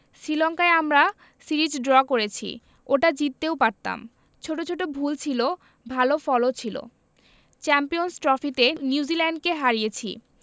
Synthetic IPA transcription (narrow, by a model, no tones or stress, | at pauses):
sɾilɔŋkaeamɾa | siɾid͡ʑɖɾɔkoɾet͡ɕʰḭ | oʈad͡ʑit̪ːewpaɾt̪a̰m | t͡ɕʰoʈot͡ɕʰoʈobʱult͡ɕʰilo | bʱalofɔlot͡ɕʰilo̰ | t͡ɕɛmpijonsʈɾɔfit̪eniud͡ʑilɛɳɖkeɦaɾijet͡ɕʰḭ